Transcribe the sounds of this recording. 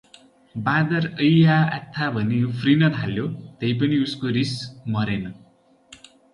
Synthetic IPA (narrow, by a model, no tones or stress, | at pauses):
bad̪ʌrʌjaa̰t̪ʰːabʱʌnepʰrinʌt̪ʰaljot̪ʌjp̬ʌniuskoɾismʌɾenʌ